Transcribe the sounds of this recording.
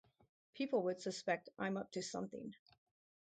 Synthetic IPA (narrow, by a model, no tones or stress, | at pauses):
pʰipl̩ˠwəd̥sɨspɛk̚tʔã̰ɪ̃mʌp̚tʰɨsʌ̰̃mθɪ̰̃ŋ